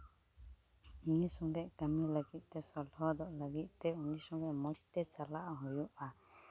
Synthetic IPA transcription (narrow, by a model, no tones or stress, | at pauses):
unisɔŋd̪ɛʔkamiləɡit̪̚ˀt̪ɛsɔɾd̪ʱɔd̪ɔʔlaɡit̪̚ˀt̪ɛunisɔŋdɛʔmɔtt̪ɛt͡ʃalaʔɦujuʔa